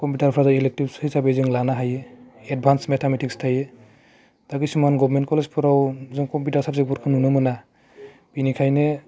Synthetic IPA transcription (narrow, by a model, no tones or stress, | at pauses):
kɔmpjutaɾpʰɾazailek̚tibshijsabezɯŋlanaɦajeɛd̚bʱansmetʰametʰikstʰaje | taɡisumanɡɔbʱmentkɔlezpʰɔɾawzɔŋkɔmpjutaɾsab̚zebɔɾkʰɯnunɔmɯna | b̥inikʰajne